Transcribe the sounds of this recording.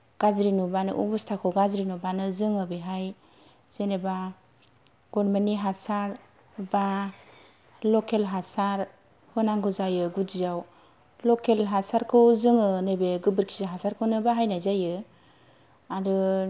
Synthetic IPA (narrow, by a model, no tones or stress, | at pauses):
ɡ̥azɾinubanɯ̰ʔubustʰakʰɔɡazɾinubanɯzɯŋɯbeɦaj | z̥eneba | ɡ̥ɔnmaniɦasaɾ | ba | lɔkʰelɦasaɾ | hɯnaŋɡɯzajɯɡudijaw | lɔkʰelɦasaɾkʰɯwzɯŋɯnɯbeɡɯbɯɾkʰi̥siɦasaɾkʰɯwnɯbaɦajnajzajɯ | aɾɯ